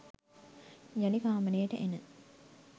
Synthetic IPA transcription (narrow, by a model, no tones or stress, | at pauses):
jɐlikaːmənejʈəʔenə